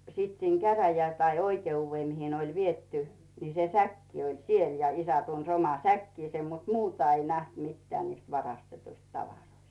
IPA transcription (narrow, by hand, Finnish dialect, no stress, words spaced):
siːt siːn kæræjæ tɑi oikeuːʋːeˑ mihi ne olʲ ʋietːy ni se sækːi olʲ siel jɑ isæ tuns omɑ sækːiːsem mut muːtɑ ei næht mitːeæˑ niːst ʋɑrɑstetuist tɑʋɑroist